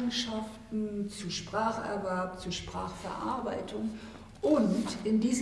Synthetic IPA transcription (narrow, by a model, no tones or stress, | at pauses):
ŋ̩ʃaftn̩t͡suʃpʁ̥aːχɛ̰ɐvɛɐp̚t͡suɐʃpʁ̥aːχfɛ̰ɐʔa̰ɐbaɪtʰʊŋ | ʔʊntɪndiːz